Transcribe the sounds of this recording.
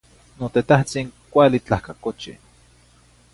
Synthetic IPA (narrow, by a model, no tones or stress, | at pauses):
not̪et̪aht͡siŋkʷalit͡ɬahkakot͡ʃḭ